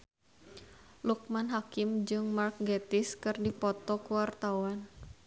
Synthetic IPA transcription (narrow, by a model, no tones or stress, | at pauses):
luk̚manɦakɪmd͡ʒɨŋmark̚ɡɛt̪ɪskɨrdipɔt̪ɔkuwart̪awan